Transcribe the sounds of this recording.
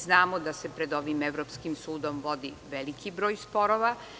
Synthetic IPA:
znaːmod̪ase̞pɾed̪o̞ʋimeʋɾopskimsuːd̪o̞mʋo̞d̪i | ʋelikibɾo̞ːjspo̞ɾoʋa

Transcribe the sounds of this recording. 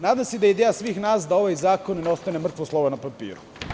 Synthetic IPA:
naːd̪amsed̪ajed̪ejasʋiːxnaːsd̪ao̞ʋajzaːkonneo̞st̪anemr̩t̪ʋoslˠoʋonapapḭːɾu

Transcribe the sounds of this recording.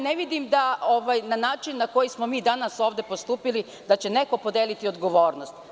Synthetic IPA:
neʋid̪imd̪aoʋajnanaːt͡ʃinːako̞jismo̞miːd̪anaso̞ːʋd̪e̞po̞st̪uːpili | d̪at͡ɕe̞ne̞ko̞po̞d̪eːlit̪io̞d̪ɡo̞ʋo̞ːɾnost̪

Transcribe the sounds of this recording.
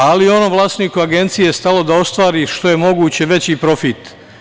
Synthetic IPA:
alijeono̞mʋlˠaːst̪nikuaɡe̞nt̪sije̞st̪alo̞d̪ao̞st̪ʋaːɾiːʃt̪o̞je̞mo̞ɡuːt͡ɕe̞ʋe̞t͡ɕipɾo̞fit̪

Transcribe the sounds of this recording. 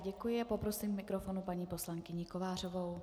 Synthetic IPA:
ɟɛkujɪapopɾo̞siːmmɪkɾofo̞nupaɲiːpo̞slaŋkɪɲɪkovaːr̝ovo̞w

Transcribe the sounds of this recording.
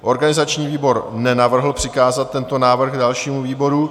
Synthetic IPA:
ʔo̞ɾɡanɪzat͡ʃɲiːviːbo̞ɾnɛnavr̩ɦl̩pr̥ɪkaːzat̪̚ːɛnt̪o̞naːvr̩xɡdalʃiːmuviːbo̞ɾu

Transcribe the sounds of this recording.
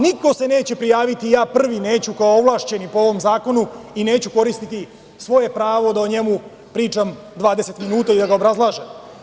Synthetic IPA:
niko̞se̞ne̞ːt͡ɕe̞pɾijaːʋit̪ijaːpr̩ʋineːt͡ɕukaooʋlˠaːʃt͡ɕe̞nipoo̞ʋo̞mzaːko̞nuine̞ːt͡ɕuko̞ɾist̪it̪i | sʋo̞je̞pɾaːʋo̞d̪aoɲe̞mu | pɾiːt͡ʃam | d̪ʋaːd̪ese̞t̪minuːt̪aid̪aɡaobɾazlˠaːʒem

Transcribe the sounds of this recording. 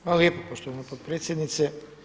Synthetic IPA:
malɛpopost̪onopot̪̚pɾet̪sjɛd̪nit̪sɛ

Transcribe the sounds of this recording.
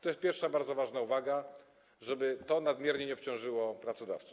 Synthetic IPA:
t̪ɔjɛst̪̚pʲjɛɾfʂabaɾd̪zɔvaʐnauvaɡa | ʐɛbɘt̪ɔnad̪mʲjɛɾɲɛɲɛɔpt͡ɕɔ̃w̃ʐɘwɔpɾat̪sɔd̪a̰ft̪su̥

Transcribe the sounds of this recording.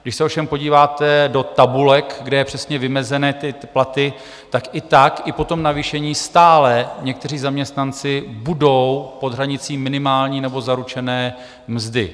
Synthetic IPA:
ɡdɪʃsɛofʃɛmpo̞ɟiːvaːt̪ɛdo̞t̪abulɛkɡdɛjɛpr̝̥ɛsɲɛvɪmɛzɛnɛːt̪ɪplat̪ɪ | t̪akʔɪt̪akʔɪpo̞t̪o̞mnaviːʃɛɲiːst̪aːlɛɲɛk̚t̪ɛr̝iːzamɲɛst̪nant͡sɪbudo̞wpo̞d̪ɦraɲɪt͡siːmːɪnɪmaːlɲiːnɛbo̞zaɾut͡ʃɛnɛː | mzdɪ

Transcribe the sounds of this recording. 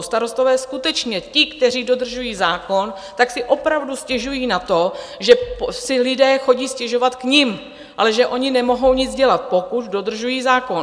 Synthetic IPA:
st̪aɾo̞st̪o̞vɛːskut̪ɛt͡ʃɲɛcɪkt̪ɛriːdo̞dr̩ʒujiːzaːko̞n | t̪aksɪʔo̞pɾavduscɛʒujiːnat̪o | ʒɛpsɪlɪdɛːxo̞ɟiːscɛʒo̞vat̪kɲɪm | ʔalɛʒɛʔo̞ɲɪnɛmo̞ɦo̞wɲɪd͡zɟɛlat̪̚po̞kut̪do̞d̪r̩ʒujiːzaːko

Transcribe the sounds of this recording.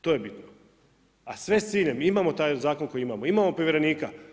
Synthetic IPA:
t̪o̞je̞bit̪no | asʋe̞st̪iːʎemimaːmo̞t̪aːjzaːko̞nko̞jiimamoimamo̞pɾoʋjeɾeniːka

